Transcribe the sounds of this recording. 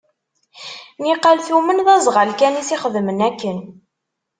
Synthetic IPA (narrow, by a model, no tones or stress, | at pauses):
niqːalθumənðɑzˤʁəlkænisiχəðmənækːən